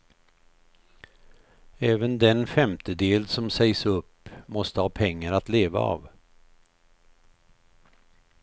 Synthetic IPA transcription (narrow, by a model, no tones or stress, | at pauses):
ɛːvənd̪ɛnfɛmt̪əd̪eːlsɔmsɛjsɵpː | mɔst̪əhɑːpʰɛŋːaɾat̪leːva̰ɑ̰ːv